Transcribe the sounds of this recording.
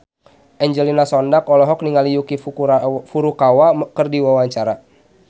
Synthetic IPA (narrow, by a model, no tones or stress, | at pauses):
ʔɛɲd͡ʒəlinasɔndakɔlɔɦɔk̚niŋalijukifuɾukawakərdiwawaɲt͡ʃaɾa